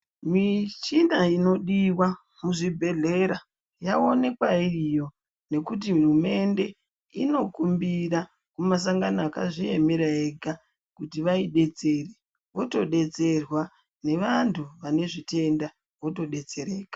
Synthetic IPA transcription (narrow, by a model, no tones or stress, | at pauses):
mit͡ʃinaino̞ɗiwa | muʐibʱe̞ɮe̞ɾa | jao̞ne̞kwairijo̞ | ne̞kut̬iɦurume̞nde̞ | ino̞kumbira | kumas̬aŋɡanaaka̰ʐie̞meɾaeɡʱa | kutiʋaiɗe̞t͡se̞re | ʋo̞to̞ɗe̞t͡se̞rwa | ne̞ʋantʰuʋane̞ʐite̞nda | ʋo̞to̞ɗe̞t͡se̞ɾeːkḁ